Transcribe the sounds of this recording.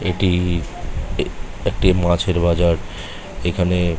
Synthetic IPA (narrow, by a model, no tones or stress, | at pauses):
eʈi | ek̚ʈimãt͡ɕʰeɾbad͡ʑaɾ | ekʰane